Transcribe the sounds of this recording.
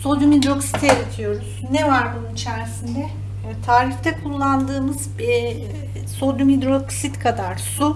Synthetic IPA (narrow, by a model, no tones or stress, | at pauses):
so̞d̪ymid̪ɾo̞ksi̥t̪ʰeɾet̪ʰijo̞ɾuz̥nɛvaɾbununit͡ʃʰæɾsind̪ɛ | t̪ʰaːɾift̪ʰɛkʰulˠːand̪ɯːmɯz | so̞d̪umid̪ɾo̞ksit̪kʰad̪aɾsu